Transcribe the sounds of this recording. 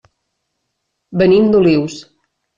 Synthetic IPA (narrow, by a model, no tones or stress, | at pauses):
bənimd̪uliws